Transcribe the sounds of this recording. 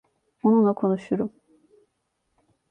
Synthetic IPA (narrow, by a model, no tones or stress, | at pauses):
onunlˠakʰo̞nuʃuɾum